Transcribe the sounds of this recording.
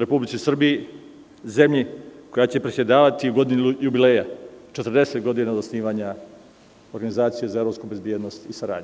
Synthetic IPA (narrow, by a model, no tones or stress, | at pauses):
ɾe̞publit̪sisr̩biji | ze̞mʎiko̞jat͡ɕe̞pɾesʲjed̪aːʋat̪iɡo̞d̪injubileːjat͡ʃet̪rd̪e̞set̪ɡo̞d̪inaozosniːʋaɲa | oɾɡanizaːt̪sijezaevɾopskube̞zbjed̪nost̪isaɾa̰ːd̪ɲe